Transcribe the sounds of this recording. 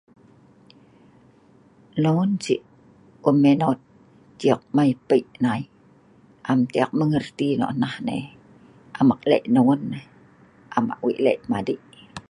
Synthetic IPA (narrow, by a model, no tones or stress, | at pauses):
noŋunsiʔ | umːenot̪̚ | t͡ʃiək̚majpəiʔnai | ʔamt̪iak̚məŋərt̪ino̰ʔnahnḛ | ʔamak̚lḛʔnoŋunːe | ʔama̰ʔwḭʔlḛʔmadiʔ